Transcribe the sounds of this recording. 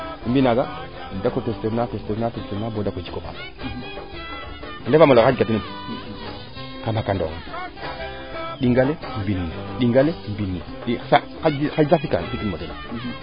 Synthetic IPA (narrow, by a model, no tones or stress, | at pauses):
imbinaɡa | dakotesteɾnatesteɾnatestenabodakod͡ʒi̥koba̰ma | lefamaloxad͡ʒɡatii | kanakando̰ŋa | ɗiŋɡalembinːiɗiŋɡalembinːi | ɗisa | axazafika̰nfikinadena